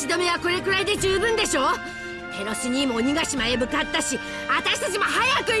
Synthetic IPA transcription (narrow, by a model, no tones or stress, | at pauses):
id̪o̞me̞βako̞ɾe̞kɯ̟ɾaid̪e̞d͡ʑɨːbɯ̃nd̪e̞ɕo̞ː | t̪ʰe̞ɾosɨɲ̟iːmoɲ̟ʲiɡaɕimaemɯ̟kat̪ːaɕi | at̪aɕi̥t̪at͡ɕimo̞ɦajakɯ̟